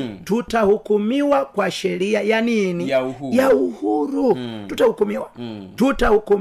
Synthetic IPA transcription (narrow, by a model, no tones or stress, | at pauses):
tutahukumiwakwaʃɛɾiajaninijauhuɾututahukumiwatutahuku